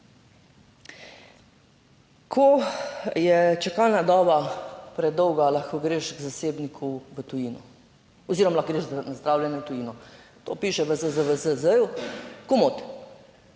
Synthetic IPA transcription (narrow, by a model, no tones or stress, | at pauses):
kʰo | jɛt͡ʃɛkalnad̪ɔːbapɾɛd̪ɔwɡalaxkoɡɾeːʃɡzaseːbnikʰuʋət̪ujinɔ̰ | ɔziːɾɔmlaxɡɾeːʒzanazd̪ɾaːwlʲjɛnɛt̪ujiːnɔ | t̪o̰piːʃɛʋəzəzəʋəzəzəjukomot̪